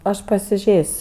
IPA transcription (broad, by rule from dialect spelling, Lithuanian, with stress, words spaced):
ˈɐʃ pɐsʲɪˈʒʲeːsʲ